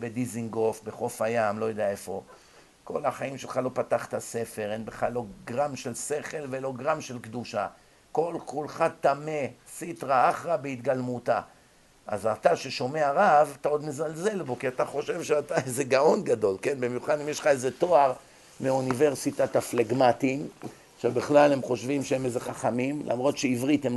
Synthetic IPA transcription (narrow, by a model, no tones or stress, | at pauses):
be̞d̪iziŋɡo̞fbe̞χo̞fajamlo̞jodejae̞fo̞ | kʰo̞laχaimʃelχalo̞pat̪aχt̪ase̞fe̞ʁenbeχalo̞ɡʁamʃe̞lse̞χe̞lvelo̞ɡʁamʃelkd̪uʃa̰ | ko̞lkulχat̪ame̞sitʁaaχʁabeit̪ɡalmut̪a̰ | a̰zat̪aʃe̞ʃo̞me̞aʁavat̪ao̞d̪mezalze̞lbo̞kiat̪aχo̞ʃe̞vʃeat̪aezeɡao̞nɡad̪o̞lke̞nbimjuχad̪imjeʃχaezet̪o̞aʁ | meunive̞ʁsit̪at̪afleɡmat̪im | ʃebeχlalhemχo̞ʃvimʃeemezeχaχamimlʔa̰mʁo̞t̪ʃeivʁit̪hem